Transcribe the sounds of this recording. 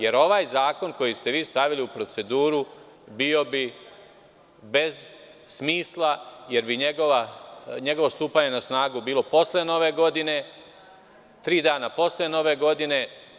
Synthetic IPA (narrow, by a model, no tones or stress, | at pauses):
je̞ɾo̞ʋaːjzaːko̞nko̞jist̪e̞ʋiːst̪aʋiliupɾo̞t̪se̞d̪uːɾu | bio̞bi | be̞z | smiːslˠaje̞ɾbiɲeɡoʋaɲe̞ɡo̞ʋo̞st̪uːpaɲe̞nasnaːɡubiːlo̞po̞sleno̞ʋeɡo̞d̪ine̞ | t̪ɾiːd̪aːnapo̞sleno̞ʋeɡo̞d̪ine̞